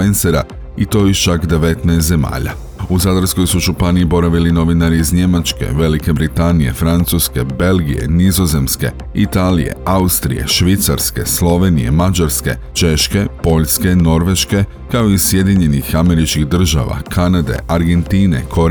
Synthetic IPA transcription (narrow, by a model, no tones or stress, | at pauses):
enseɾa̰ | it̪o̞jiʃt͡ʃakd̪e̞ʋe̞t̪nɛest̪ze̞ma̰ːʎa̰ | uzad̪ɾsko̞jsuʒupaniibo̞ɾaʋilino̞ʋinaɾiːzɲe̞mat͡ʃke̞̰ʋe̞like̞bɾit̪anije̞̰fɾant̪suːske̞be̞lɡije̞̰nizo̞ze̞mske̞ | it̪aːlḭje̞̰aust̪ɾḭje̞̰ʃʋit̪saɾske̞slˠo̞ʋe̞nije̞̰mad͡ʒaɾske̞̰ | t͡ʃe̞ʃke̞po̞ʎske̞no̞ɾʋe̞ʃke̞ | kao̞isje̞d̪iɲe̞nixame̞ɾit͡ʃkiɣd̪r̩ʒa̰ʋa̰kʰanad̪e̞̰ʔaɾɡe̞nt̪iːne̞̰kʰo̞ɾ